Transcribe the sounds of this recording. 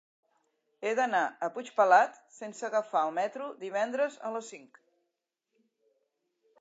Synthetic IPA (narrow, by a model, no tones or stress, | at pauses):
eðənaəput͡ʃpəlat̪sensəɣəfaəlˠmɛt̪ɾud̪iβ̞ɛnd̪ɾəzə̰ləsiŋk